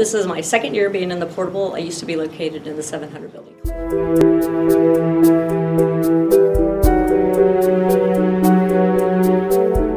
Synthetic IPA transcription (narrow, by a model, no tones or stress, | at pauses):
ɪsɨzmaɪsɛkɨ̃njɪɹbiɪ̃ŋɨ̃nðəpʰɔɹɾəblˠa̰ɪjʉstʰəbiloʊkʰeɪɾɨɾɨ̃nðɨsɛvɨ̃nɦʌ̃ndɹəd̚bɪlˠjɨ̃nkʰ